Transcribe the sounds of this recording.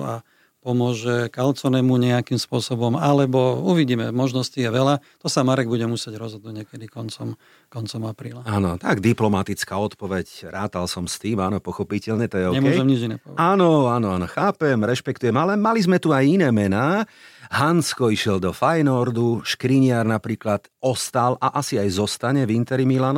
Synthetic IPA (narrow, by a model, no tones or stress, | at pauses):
a | pɔmʊɔʒɛkalt͡sɔnɛmuɲɛakimspʊɔsɔbɔmalɛbɔuʋiɟiːmɛmɔʒnɔscijɛʋɛlat̪ɔsamaɾɛɡ̚buɟɛmusɪɛɟɾɔzɦɔd̪nuɟɲɛkɛd̪ikɔnt͡sɔm | kɔnt͡sɔmapɾiːlaaːnɔt̪aɡd̪iplɔmat̪it͡skaːɔt̪pɔʋɛcɾaːt̪alsɔmst̪iːmaːnɔpɔxɔpicɛʎɲɛt̪ɔjɛɔɲɛkːɛjʒɛmɲid͡ʒinɛpɔ̰aːnɔanɔanɔxaːpɛmɾɛʃpɛk̚t̪ujɛmalɛmalizmɛt̪uajinɛːmɛnaːɦanskɔiʃɪɛld̪ɔfajnɔɾd̪uʃkɾiɲɪaɾnapɾiːklat̪ɔst̪alʔaʔasiajzɔst̪aɲɛvint̪ɛɾimilaːnɔ